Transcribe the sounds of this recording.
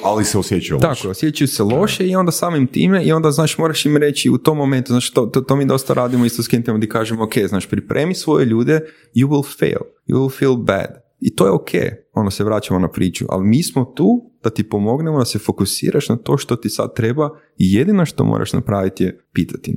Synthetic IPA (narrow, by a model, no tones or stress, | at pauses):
aliseosjet͡ʃajṵlakojeosjet͡ʃajuselo̞ʃeio̞nd̪asaːmimt̪ḭːmeio̞nd̪aznaːʃmoːɾaʃimɾe̞t͡ʃiut̪omːo̞ment̪uznat͡ʃi̥t̪ot̪ot̪omiːd̪o̞st̪aɾaːd̪imoist̪oskent̪emd̪ikaːʒemokʰejznaːʃpɾipɾʔḛːmisʋo̞jeʎuːd̪e | juwilˠfḛlˠjṵwilˠfilˠbæ̰d̪ | it̪oːjeokʰḛj | o̞nd̪aseʋɾaːt͡ʃamonapɾiːt͡ʃṵʔa̰limiːsmot̪uːd̪̥at̪ipo̞mo̞ɡnemod̪asefo̞kusḭːɾʔaʃnat̪o̞ːʃt̪o̞t̪isa̰d̪̚t̪ɾeba | ijed̪ino̞ʃt̪o̰mʔo̰ɾʔa̰ʃna̰pɾaːʋit̪jepiːt̪ʰḁt̪i